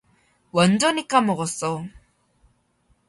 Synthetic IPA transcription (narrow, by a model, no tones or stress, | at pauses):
wʌnd͡ʑʌnik͈ːamɔɣɔsɔ